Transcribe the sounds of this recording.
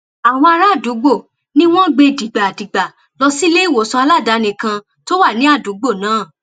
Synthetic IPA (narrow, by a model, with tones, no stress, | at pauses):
a˨w̃ɔ̃˧a˧ɾa˦˨du˨˦ɡ͡bo˦˨ | nĩ˦w̃ɔ̃˦ɡ͡be˧di˨ɡ͡ba˨di˨ɡ͡ba˨ | lɔ˧si˦le˦i˦˨wo˨˦sɔ̃˧a˧la˦˨da˨˦nĩ˨kã˧ | to˦wa˦˨nĩ˨˦a˦˨du˨˦ɡ͡bo˦˨nãː˨˦˨